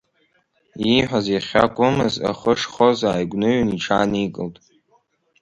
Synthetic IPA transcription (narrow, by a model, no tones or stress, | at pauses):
iħʷᶣazeχʲa̰kʷʼʊmɨza̰χəʂχozaːjɡʷnɨɥniʈ͡ʂʰaːnikʼɨltʼ